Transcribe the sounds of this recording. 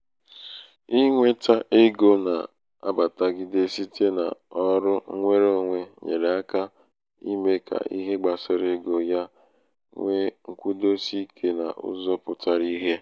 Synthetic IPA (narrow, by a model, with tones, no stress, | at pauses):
i˦ŋʷe˦ta˦ʔe˦ɡo˦na̰˨ | a̰˦ba˨ta˨ɡɪ˦de˦si˦tʰe˦na̰˨ɔ˦ɾʊ˦ŋʷe˦ɾo˦ŋʷe˦ɲḛ˨ɾe˨a˦ka˦ | i˦me˦kʰa̰˨ḭ˦ɦe˦ɡ͡ba˨sɪ˦ɾe˦ɡo˨ja˦ | ŋʷe˦ŋ̩˨kʷu˦do˦si˦kʰe˦na̰˨ʊ̰˦zɔ˦pʊ˨ta˨ɾi˦ɦe˦